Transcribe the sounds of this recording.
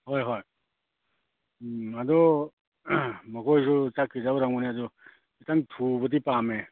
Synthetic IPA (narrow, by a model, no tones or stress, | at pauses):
hojɦoj | ɐd̪ɔ | mɐkʰojsʰut͡ʃakʰːizabɾaŋunead̪ɔ | itaŋtʰubɐt̬ipame